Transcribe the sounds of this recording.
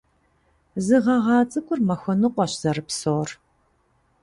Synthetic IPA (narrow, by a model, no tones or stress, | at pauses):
zɨʁɐʁɑːt͡sʼɨkʷʼʊrmɐxʷɔnɨqʷɔɕz̥ɐɾɨpsoːr